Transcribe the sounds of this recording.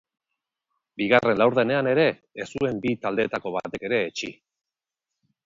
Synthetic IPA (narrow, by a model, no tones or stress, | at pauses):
biɣ̞are̞nlawɾðe̞ne̞ane̞ɾe̞ | esue̞mbit̪ald̪e̞t̪ako̞β̞a̰t̪e̞ke̞ɾe̞ːt͡ʃi